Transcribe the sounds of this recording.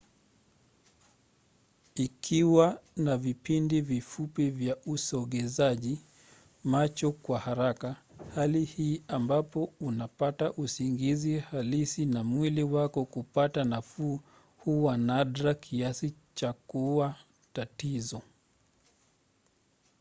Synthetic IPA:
ikʰiwanavipindivifupivjaʔusɔɠɛzaʄi | mat͡ʃɔkwahaɾakahalihiːambapɔunapataʔusiŋɡizihalisinamwiliwakɔkupatanafuː | huwanaɗɾakʰiasit͡ʃakuwa | tatizɔ

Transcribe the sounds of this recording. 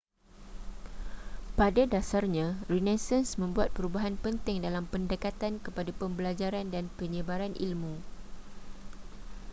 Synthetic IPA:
padadasarɲãrinɛsansmə̃mbuat̪̚pəɾubaɦanpənt̪ɪŋdalampəndəkat̪ankəpadapəmbəlad͡ʒaɾandanpəɲə̃baɾanʔḭlmũ

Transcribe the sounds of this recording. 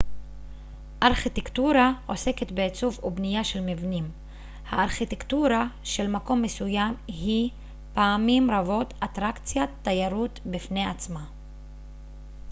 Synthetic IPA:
ʔaʁχit̪ektuɾaʔo̞se̞ket̪beːt͡suvubnijaʃelmivnim | haːʁχitekt̪uɾaʃe̞lmako̞mːesujamɦi | paːmimɾavo̞t̪at̪ʁakt͡sjat̪ːajaɾut̪bifneat͡sma

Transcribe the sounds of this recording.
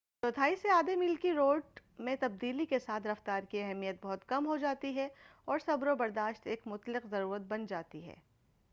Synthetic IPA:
t̪ot̪ʰaːiseaːd̪emilkiɾoːɖmẽt̪ɐb̚d̪iːlikesaːt̪ʰɾɐft̪aːɾkiɛɦɛmijət̪̚bɔɦʊt̪kɐmɦod͡ʒaːt̪iɦɛɔːɾsɐbɾobɐɾd̪aːʃt̪eːkmʊt̪lɪqzɐɾuːɾət̪̚bɐnd͡ʒaːt̪iɦɛ̰ː

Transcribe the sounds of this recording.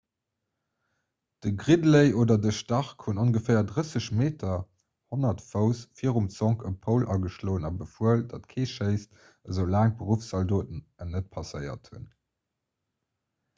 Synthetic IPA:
d̥əɡʁidləɪʔoːdɐdəʃtɑʁkhunoŋɡəfɛːɐdʁəsəɕmeːtʰɐ | honɐtfəʊsfiəʁumt͡sɔŋkʰəpʰəʊlʔɑɡəʃloːənɑbəfuəldɑtkʰeːʃəɪst | əzəʊlæːŋbəʁufsɑldoːtənənət̚pʰɑsəɪɐ̰thun

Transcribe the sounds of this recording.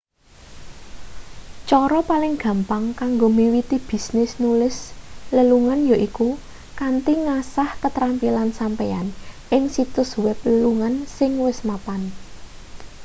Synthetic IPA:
t͡ʃɔɾɔpalɪŋɡ̥ä̤mpaŋkaŋɡomiwit̪ib̥i̤snɪsnulɪsləluŋanjoʔiku | kant̪iŋasahkət̪ɾampilansampea̰nʔɪŋsit̪ʊswɛpləluŋansɪŋwɪsmapan

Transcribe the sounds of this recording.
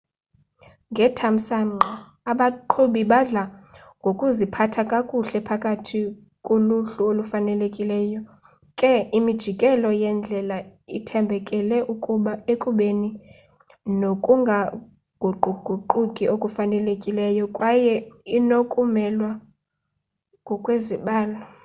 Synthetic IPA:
ŋɡʱɛtʰam̩saŋ͡ǃʱa | aɓaǃʰoɓiɓaɮa | ŋɡʱokʼuzipʰatʰakʼakʼuɬɛpʰakʼatʰi | kʼoluɬuolufanɛlekʼilɛːjɔ | kʼɛimid̥ʒ̥ʱikʼɛlɔjɛnd͡ɮʱɛlaitʰɛmbʱɛkʼɛlɛʔukʼuɓaekʼuɓeni | nokʼuŋɡʱa | ɡ̥ʱuɡ͡ǃʱuɡ͡ǃʱuǃukʼiʔokʼufanɛlekʼilɛjɔkʼwajɛinokʼumɛlwa | ŋɡʱɔkʼweziɓaːlaa

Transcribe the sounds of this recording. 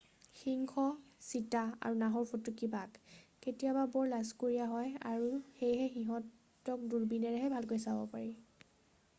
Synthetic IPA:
xiŋkʰɔsitaa̰ɹunaɦɔɹpʰotːʊkibakketijababɔɹlazkoɹijaɦɔja̰ɹuxejɦɛxiɦɔtː | ɔk̚duɹbinɛɹɛɦɛbʱalkojsabɔ̰paɹi

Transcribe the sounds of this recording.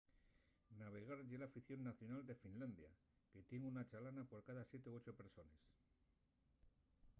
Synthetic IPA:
naβ̞e̞ɣ̞aɾʝelafiθjonːaθjo̞nald̪e̞finland̪ja | ke̞t̪je̞ŋunat͡ʃalanapo̞ɾkaðasje̞t̪eoo̞t͡ʃope̞ɾso̞nes

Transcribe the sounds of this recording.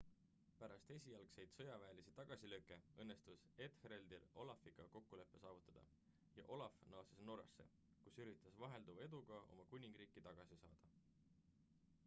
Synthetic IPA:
pæɾɑst̪e̞sʲiɑlkse̞jd̪̥sɤ̞jɑvæːliset̪ɑɡ̥ɑsiløkːˑe̞ɤnːe̞st̪us | e̞t̪hɾe̞ld̪ilo̞lɑfiɡ̥ɑko̞kːule̞pːˑe̞sɑːvut̪ːˑɑd̪̥ɑ̰ | jɑ̰ʔo̞lɑfnɤosesno̞ɾɑ̰sːe̞̰ | kusyɾit̪ˑːɑsvɑɦe̞ld̪uvɑe̞d̪uɡ̥ɑo̞̰mɑkunʲiŋɡ̥riːkːˑit̪ɑɡ̥ɑsisɑ̰ːd̪̥ɑ

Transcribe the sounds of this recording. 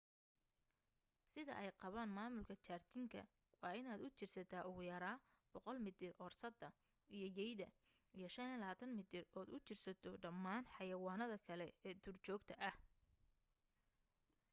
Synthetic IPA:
sɪðɐ̰ʔɛjqɑβaːnmaːmʊlkʰɐt͡ʃaːrt̪ʰɪŋkʰɐ̰ | wɑːɪnaːd̪ʊt͡ʃɪrsɐt̪ʰaːʊɣʊjɐɾaːb̥ɔqɔlmɪt̪ʰɪrʔɔːrsɐd̪ɐ | ijɞjɛjðɐ | ijɞʃɐnɛlɐaːt̪ʰɐnmɪt̪ʰɪrɔːd̪ʊt͡ʃɪrsɐt̪ʰɔɖɐmːaːnħɑjɐwaːnɐðɐkʰɐlɛɛːt̪ʰʊrt͡ʃɔːɡt̪ʰɐʔɐh

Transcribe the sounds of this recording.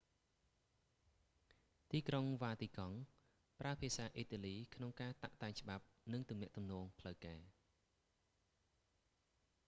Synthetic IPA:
t̪iːkroŋʋaːt̪iːkɑŋ | praəpʰiəsaːʔiːt̪aːliːkʰnoŋkaːt̪aʔt̪aɛɲt͡ɕə̆ɓap̚nɨŋt̪umnɛ̆əʔt̪umnɔːŋpʰləwkaːɛ

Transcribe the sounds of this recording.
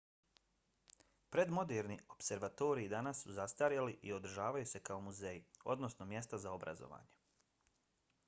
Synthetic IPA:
pɾe̞d̪mo̞d̪eɾnio̞pse̞ɾʋat̪o̞ːɾiid̪anasːuzast̪aɾjaliʔio̞d̪ɾ̩ʒaːʋajuse̞kao̞muzejio̞d̪no̞sno̞mje̞st̪azaobɾʔa̰zo̰ʋa̰ːɲe

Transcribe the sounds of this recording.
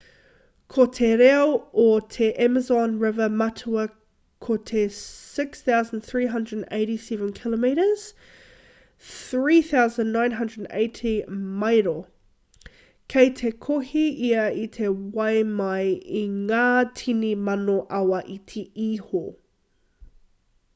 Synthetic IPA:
kʰotʰeɾɛootʰeʔɛməzɔ̃nɹɪvəmatʰuɐ | kʰotʰesɪksθaʊzə̃nθɹiːɦɐ̃ndɹədə̃neɪɾisɛvə̃nkʰɪləmiɾəz̥ | θɹiːθaʊzə̃nnːãɪ̃nɦɐ̃ndɹədə̃nḛɪtʰimaɪɾo | kʰeɪtʰekʰohiiɐitʰewajmajiŋaːtʰinimanoʔawɐʔitʰiiho

